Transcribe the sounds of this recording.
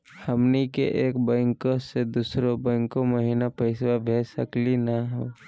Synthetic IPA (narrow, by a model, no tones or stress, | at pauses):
həmnikḛʔeːkbə̃ːŋkosed̪uːsɾobə̃ːŋkoməɦiːnapəɪswabʱeːsəklinaɦoː